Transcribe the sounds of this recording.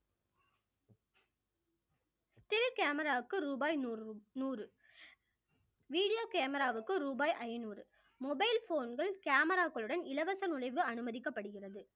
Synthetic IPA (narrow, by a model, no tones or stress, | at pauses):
sʈɪlkaːmɐɾaːɯkːɯɾuːbɐːjnuːɾɯ | ʋiːɽɪjoːkeːmɐɾaːʋɯkːɯɾuːbɐːjʔɐɪnuːɾɯ | mɔbɐɪlfoːnɡɐɭkaːmɐɾaːɣɐɭɯɽɐnɪlɐʋɐsɐnʊlɐɪʋɯɐnɯmɐðɪkːɐpːɐɽɯɣɪrɐðɯ